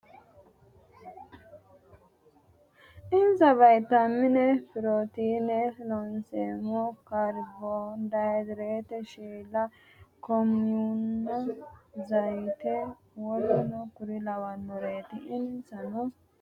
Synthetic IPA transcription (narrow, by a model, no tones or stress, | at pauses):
ɪnzɐβɐjt̪ɐmːɪnɛfɪɾoːt̪iːnɛlɔnseːmɔkɐɾbond̪ɐd̪ɾeːt̪ɛʃiːlɐ | kɔmjunːɐzɐjt̪ɛ | wɔlɔnɔkʊɾɪlɐwɐnːɔɾe̞ːt̪ɪɪnsɐnɔ